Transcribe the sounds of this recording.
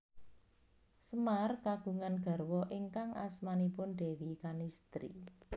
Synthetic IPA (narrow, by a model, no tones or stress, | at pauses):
səmarkaɡ̥ṳŋanɡ̥a̤rwɔʔiŋkaŋʔa̰smanipʊnd̪̥e̤wikanist̪ɾḭ